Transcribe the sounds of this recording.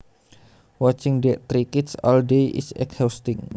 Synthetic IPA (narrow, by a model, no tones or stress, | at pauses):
wɔt͡ʃɪŋdɛʔt̪ɾikɪt̪sɔ̰ldejʔḭsɛ̰khawst̪ɪŋ